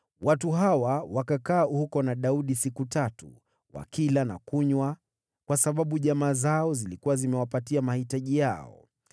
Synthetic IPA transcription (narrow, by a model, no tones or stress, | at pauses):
watuɦawawakakaːuhukɔnaɗauɗisikutatṵ | wa̰kilana̰kuɲwa | kwasaɓaɓuʄamaːzaɔzilikuwazimɛwapatiamahitaʄijaɔ̰